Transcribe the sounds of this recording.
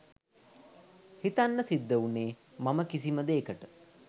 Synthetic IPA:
hit̪anːəsid̪ːəuneː | maməkis̬iməd̪eːkəʈə

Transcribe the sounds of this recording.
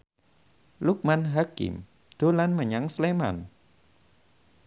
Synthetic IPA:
luk̚manɦakḭm | d̪̥o̤lanməɲaŋslema̰n

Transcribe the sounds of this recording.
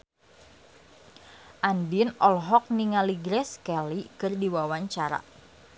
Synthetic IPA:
ʔandinɔlɦɔk̚niŋaliɡɾɛskɛlikɨrdiwawaɲt͡ʃaɾa̰

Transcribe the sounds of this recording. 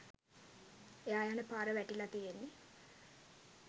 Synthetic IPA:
eajanəpaːɾəʋæʈilat̪ijenːi

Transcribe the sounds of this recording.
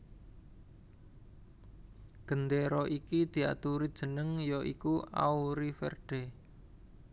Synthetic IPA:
ɡ̥ə̤nd̪eɾɔʔikid̪̥i̤a̰t̪uɾid̥ʒ̥ə̤nəŋjɔʔikua̰uɾifɛ̰rɖ̪̥e

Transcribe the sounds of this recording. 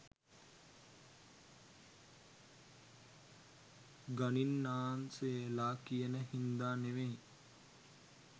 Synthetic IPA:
ɡaninːaːnseelaːkijenəɦind̪aːneʋei

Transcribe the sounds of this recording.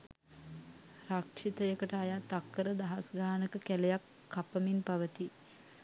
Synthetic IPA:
rakʂit̪əjəkəʈəajaːt̪akːəɾəd̪aɦasɡaːnəkəkælejakːapəminpaʋət̪i

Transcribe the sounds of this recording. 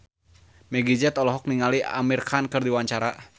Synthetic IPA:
mɛɡid͡ʒɛt̪ɔlɔɦɔk̚niŋalia̰mirkʰankɨrdiwaɲt͡ʃaɾa

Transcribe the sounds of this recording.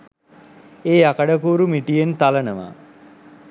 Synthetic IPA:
eːakəɖəkuːɾumiʈijent̪alənəʋa̰

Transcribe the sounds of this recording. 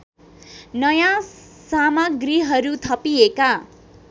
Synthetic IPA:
nʌjã | samaɡriɦʌɾut̪ʰʌpieka

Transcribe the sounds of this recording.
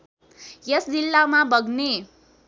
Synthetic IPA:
jesd͡zilːamabʌɡne

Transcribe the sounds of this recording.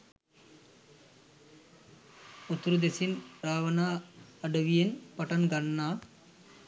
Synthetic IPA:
ut̪ːɾud̪esinɾaːʋɐnaːɐɖɐʋijenpɐʈɐnɡɐnːaː

